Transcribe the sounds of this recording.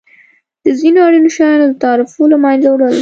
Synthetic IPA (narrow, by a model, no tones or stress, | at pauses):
d̪̥əzinoɑɽinoʃɑjɑnod̪ət̪ɑɾɪfolamɑjnzawɽəl